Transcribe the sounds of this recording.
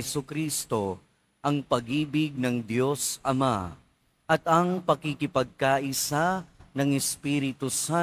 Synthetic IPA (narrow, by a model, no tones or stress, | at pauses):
ɛsukɾist̪o̞ | ʔɐŋpɐɡiːbɪɡ̚nɐŋd̪jo̞sɐma | ʔɐt̪ɐŋpɐkikɪpɐɡ̚kaʔɪsanɐŋɛspiːɾɪt̪usa